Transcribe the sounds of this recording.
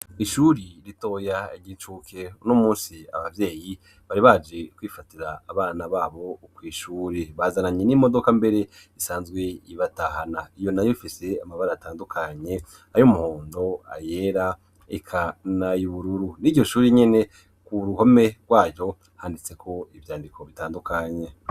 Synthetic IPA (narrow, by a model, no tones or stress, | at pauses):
iʃuːɾiɾito̞jaiɟit͡ʃuːkʰe̞unomuːnsia̰βavje̞ːji | βaɾiβad͡ʒe̞kwiːfatiɾaːβaːnaβaːβo̞kwiːʃuːɾeβazanaɲenimo̞do̞kambe̞ɾe̞ | isaːnzɡwe̞iβatahanaijo̞najofise̞amaβaɾataːndukʰaɲe̞ | ajomuhoːndo̞a̰jeɾa | ekʰanajuβuɾuɾuniɟo̞ʃuːɾeɲe̞ne̞ | kuɾuhome̞ɡwaːjo̞ | haːndit͡se̞kʰo̞iβjaːndikʰo̞βitaːndukaɲe̞